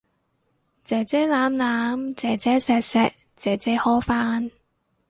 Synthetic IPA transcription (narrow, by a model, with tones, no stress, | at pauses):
t͡sɛː˨t͡sɛː˥laː˨˥mlaː˨˥mt͡sɛː˨˩t͡sɛː˥sɛː˨˧k̚sɛː˨˧k̚ | t͡sɛː˨˩t͡sɛː˧˥hɔː˥faː˥n